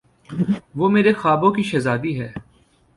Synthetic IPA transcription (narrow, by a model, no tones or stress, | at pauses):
ʋoːmeːɾexaːbõkiʃɛzaːd̪iɦɛː